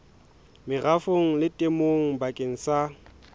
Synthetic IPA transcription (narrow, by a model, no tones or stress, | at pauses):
mɪɣafoŋ̩lɪtʼemoŋ̩bakʼeŋ̩sa